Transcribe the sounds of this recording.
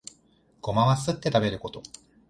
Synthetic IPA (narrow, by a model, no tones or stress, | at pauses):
ɡ̥o̞maβasɨt̪ːe̞t̪abe̞ɾɯ̟ko̞t̪o̞